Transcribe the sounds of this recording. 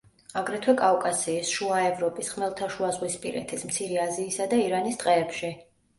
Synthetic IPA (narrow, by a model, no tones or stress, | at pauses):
aɡɾɛt̪ʰwɛkʼavkʼasiːsʃuaɛvɾɔpʼisχmɛlˠt̪ʰaʃuazʁwispʼḭɾɛ̰t̪ʰismt̪sʰiɾɛaziːsad̪aiɾanist̪ʼqʼɛːpʃi